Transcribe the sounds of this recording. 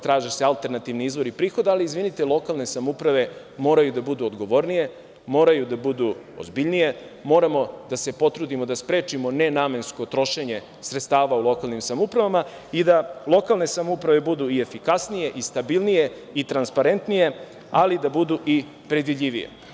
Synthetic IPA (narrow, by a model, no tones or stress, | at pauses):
t̪ɾaːʒese̞alˠt̪e̞ɾnat̪iʋniizʋo̞ɾipɾiːxo̞d̪aaliizʋinit̪elˠo̞kalˠne̞samoupɾaʋe̞ | mo̞ːɾajud̪abud̪uod̪ɡo̞ʋo̞ɾnije̞ | mo̞ːɾajud̪abud̪uo̰zbiʎnije̞mo̞ːɾamo̞d̪ase̞po̞t̪ɾuːd̪imo̞d̪aspɾe̞ːt͡ʃimone̞naːme̞nsko̞t̪ɾo̞ʃe̞ɲe̞ | sɾet̪st̪aːʋaulˠo̞kalˠnimsamoupɾaʋama | id̪alˠo̞kalˠne̞samoupɾaʋe̞bud̪uiefikasnije̞ʔist̪abilˠnije̞ | it̪ɾanspaɾe̞nt̪nije̞ | alid̪abud̪uʔi | pɾed̪ʋiʎiʋḭjḛ